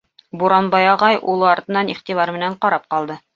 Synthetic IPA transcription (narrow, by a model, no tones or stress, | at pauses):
buɾɑnbɑjɑʁɑjulˠɤɑɾt̪ɤ̆nːɑniχt̪ivɑɾmɘ̆næɴqɑɾɑp̚qɑlˠd̪ɤ